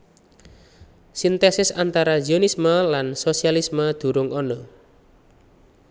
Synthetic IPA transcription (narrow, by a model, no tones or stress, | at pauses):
sint̪esɪsant̪aɾazionisməlansosialisməd̪̥ṳɾʊŋɔnɔ